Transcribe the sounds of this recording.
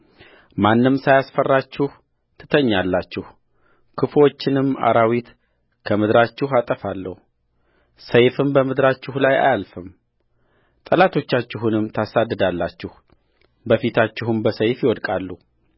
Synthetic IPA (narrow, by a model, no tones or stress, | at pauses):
manːɨmsajasfərːat͡ʃːɪh | t̪ʰɨ̥t̪ʰəɲːalːat͡ʃːɪh | kʰɨfo̞t͡ʃːɪnɨmːa̰ɾawit̪ | kʰəmɨd̪ɾat͡ʃːɪɦat̪ʼəfalːə̰hu | səjfɨnbəmɨd̪ɾat͡ʃːɪhlaja̰jalfɨm | t̪ʼəlat̪ʰo̞t͡ʃːat͡ʃːɪɦunɨmːt̪ʰasad̪ːɨd̪alːat͡ʃːɪh | bəfit̪ʰat͡ʃːɪhumbəsəjfjɪwɔd̪kʼalːu